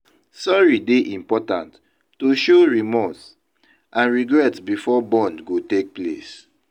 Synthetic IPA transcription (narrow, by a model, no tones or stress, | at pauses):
sɔɹideʔĩmpɔtãntː | uʃoɹimɔs | ʔãnɹiɡɹɛtsbifɔbɔ̃nɡotek̚plḛs